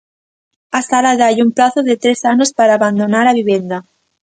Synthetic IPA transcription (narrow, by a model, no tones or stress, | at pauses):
asalaðajumplaθoðet̪ɾesanospaɾaːβand̪onaɾaβiβje̞nd̪a